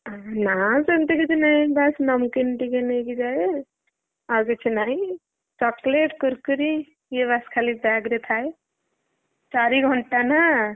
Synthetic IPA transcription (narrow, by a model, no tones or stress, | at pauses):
nasənt̪ikit͡ʃʰinaibasnəmkinʈikenekid͡ʒaje | aɾkit͡ʃʰinai | t͡ʃɔkleʈkuɾkəɾi | jebaskʰalibaɡɾet̪ʰaj | t͡ʃaɾiɡʱɔɳʈana